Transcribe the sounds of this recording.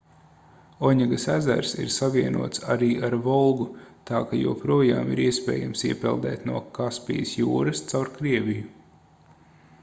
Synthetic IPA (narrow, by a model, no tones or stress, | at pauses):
ɔɲiɡɐsæzæ̰ɾsḭɾsaʋiɛnuɔt̪saɾiːʔaɾvɔlˠɡut̪ɑːkajṵːpɾuɔja̰ːmḭɾiɛspɛ̰ːjamsiɛpɛlˠd̪ɛ̰ːt̪nuɔkaspḭjəsjṵːɾɐst̪sawɾkɾiɛviju